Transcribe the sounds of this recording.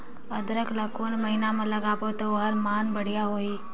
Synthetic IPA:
əd̪ɾəklɐkoːnmɐɦinamɐ̃lɐɡaːpot̪oʋɦəɾmaːnbəɽ̤ijaɦoːi

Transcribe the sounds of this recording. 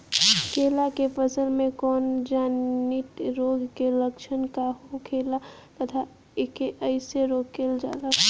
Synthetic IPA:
kelakepəsəlmẽkɔːnd͡ʒaːnit̪ɾoɡkeləkt͡ʃʰənkaɦokʰeːlat̪ət̪ʰa | ekeʔəɪseɾoɡ̚keld͡ʒa̰ːla

